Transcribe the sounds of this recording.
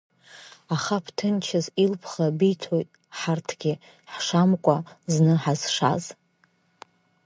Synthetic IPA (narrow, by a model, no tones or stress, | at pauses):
aχapʰtʰɨnt͡ʃʰazilpʰχabijtʰojtʼ | ħartʰɡʲɪ | ħʂamkʷʼaznɨħazʂa̰z